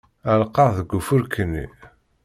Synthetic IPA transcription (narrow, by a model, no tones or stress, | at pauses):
ælqɑðəɡːufʊɾkʰənːḭ